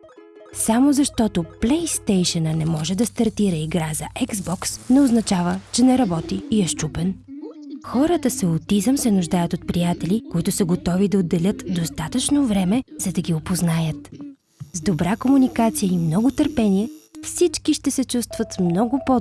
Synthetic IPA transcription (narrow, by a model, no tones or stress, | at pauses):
samozɐʃt̪ɔt̪oplɛjst̪ɛjʃənənɛmɔʒɛd̪ɐst̪ɐɾt̪iɾəiɡɾazəʔɛɡzbɔksnɛoznɐt͡ʃavət͡ʃɛnɛɾɐbɔt̪iiɛʃt͡ʃupɛn | xɔɾət̪əsəot̪izəmsɛnʊʒd̪ajət̪ot̪pɾijat̪ɛlʲikoit̪ʊsəɡot̪ɔvid̪ɐod̪ːɛlʲət̪d̪ost̪at̪ət͡ʃnovɾɛmɛz̥ɐd̪ɐɡʲiopoznajət̪ | zd̪obɾakomunikat̪sijəimnɔɡʊt̪əɾpɛniɛfsit͡ʃkiʃt̪ɛsɛt͡ʃust̪vət̪smnɔɡʊpo